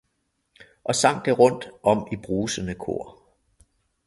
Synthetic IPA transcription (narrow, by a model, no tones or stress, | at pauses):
ʔɒ̽sɑ̈ŋ̰ɡ̥əʁɔ̽n̰d̥ɒ̽m̰ib̥ʁuːsənəkʰo̝̰ɐ̰